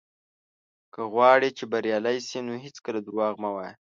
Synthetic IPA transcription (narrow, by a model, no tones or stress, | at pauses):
kəɣwɑɽit͡ʃebaɾjɑlajsinoɦɪt͡skəlad̪ʊɾwɑɣmawɑj